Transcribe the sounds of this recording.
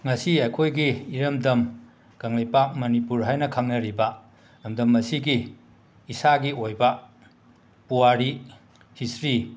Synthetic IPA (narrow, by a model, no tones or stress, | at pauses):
ŋɐsiɐjkʰojɡiːɾɐmdɐm | ɡ̥ɐŋlɐjpamɐnipuɾɦajnɐkʰɐŋnɐɾibɐ | nɐmdɐmːɐsiɡiː | saɡiojbɐ | puwaɾi | hisɾi